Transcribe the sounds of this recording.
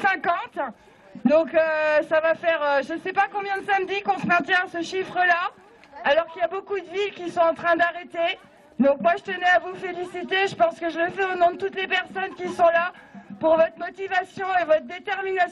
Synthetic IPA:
sɛ̃kɑ̃t̪ | d̪ɔ̃køsavafɛʁøʒəsɛpakɔ̃bjɛ̃d̪əsamd̪ikɔ̃səmɛ̃t̪jɛ̃asəʃifχəla | alɔʁkiljabokud̪əvilkʲisɔ̃ɑ̃t̪χɛ̃d̪aʁet̪e | d̪ɔ̃kmwaʒət̪ənɛavufelisit̪eʒəpɑ̃skəʒələfɛonɔ̃d̪ət̪ut̪lepɛʁsɔnkʲisɔ̃lapuʁvɔt̪χəmɔt̪ivasjɔ̃evɔt̪χəd̪et̪ɛʁmina

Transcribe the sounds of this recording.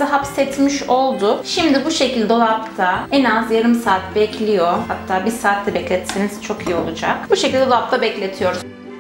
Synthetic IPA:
ɦapsɛt̪miʃo̞lˠd̪ʊʃimd̪ibuʃe̞cilʲd̪ɛolˠap̚t̪ʰaɛnazjaɾɯmsaːt̪bɛclʲijo̞hat̪ʰːaːbiɾsaːt̪ʰlɛbɛclʲɛt̪seniz̥t͡ʃʰo̞kijio̞lˠud͡ʒakbuʃecilʲd̪ʲɛlˠap̚t̪ʰabɛclʲe̞t̪ʰijo̞ɾuz

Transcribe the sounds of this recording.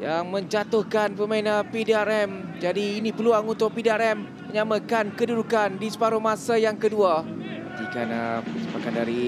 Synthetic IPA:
jaŋmə̃ɲd͡ʒat̪ʊhkanpəmainapedeaɾɛmd͡ʒadiːnĩpəluaŋunt̪ʊʔpidiaɾɛmːəɲãməkankədudukandisə̥paɾʊhmãsajaŋkədua | t̪ikana̰səpakandaɾi

